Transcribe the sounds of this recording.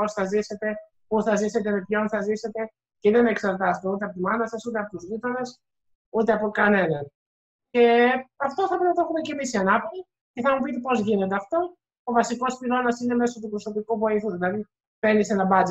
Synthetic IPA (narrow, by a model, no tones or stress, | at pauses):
o̞sθɐzise̞t̪e̞ | uθɐzise̞t̪e̞mepço̞nθɐzise̞t̪e̞ | ceðenɐeksɐɾt̪ɐset̪eut̪eɐpot̪imɐnɐsɐsut̪e̞ɐpo̞t̪uzʝit̪o̞ne̞s | ut̪eɐpo̞kɐne̞nɐn | ce̞ɐft̪o̞θɐpɾeɐt̪exume̞ce̞misiɐnɐpoɾi | ce̞θɐmupit̪epo̞zʝine̞t̪eɐft̪o̞ː | vɐsiko̞spilo̞nɐsine̞me̞sot̪upɾo̞so̞pikuvoiθuðilɐði | fenisenɐbɐt͡s